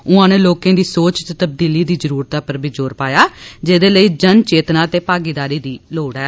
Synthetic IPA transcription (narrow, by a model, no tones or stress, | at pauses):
ʊãːnẽːloːkẽːd̪iːsoːt͡ʃt̪t̪əb̚d̪iːliːd̪iːzəɾuːɾt̪aːpəɾbʱiːd͡ʒoːɾpaːjaːd͡ʒeːd̪eːləiːd͡ʒənt͡ʃeːt̪nãːt̪eːpaːɡiːd̪aːɾiːd̪iːloːɽɛː